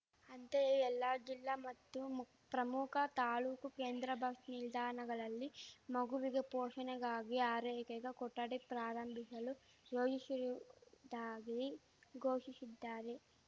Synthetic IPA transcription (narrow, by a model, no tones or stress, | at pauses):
ɐnt̪eɛlːad͡ʒilːamɐt̪ːu | pɾɐmukʰɐt̪aːluːkukeːnd̪ɾɐbʱɐkʂnild̪ʱaːnɐɡɐɭɐlːimɐɡuʋiɡe̞poːʂɐnɛɡaːɡiaːɾɛːkɛɡekɔʈːɐɽipɾaːɾɐmbʱisɐlu | joːd͡ʒisɾd̪aːɡi | ɡʱoːʃisid̪ːaːɾe